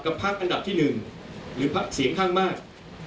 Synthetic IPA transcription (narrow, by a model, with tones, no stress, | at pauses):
ka˨˧˩pʰa˦˥˩k̚ʔa˧nda˨˩p̚t̪ʰiː˥˩nɯ˨˩ŋ | ɾɯː˩˦pʰa˦˥˩k̚si˩˦əŋkʰaː˥˩ŋmaː˥˩k̚